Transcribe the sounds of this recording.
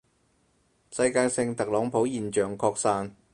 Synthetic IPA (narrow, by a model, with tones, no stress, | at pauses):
sɐ˧jkaː˧jsɪ˧ŋt̪ɐ˨k̚lɔː˨˥ŋpʰo˨˥wjiː˨˩nt͡ʃœː˨˩ŋkʰɔː˧k̚saː˧n